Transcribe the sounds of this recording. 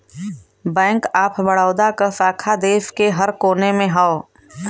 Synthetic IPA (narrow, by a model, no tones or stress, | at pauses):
bɛ̃ːŋkaːpʰbəɽaːd̪akəsaːkʰad̪eːʋkeɦɐɾkoːnemẽɦao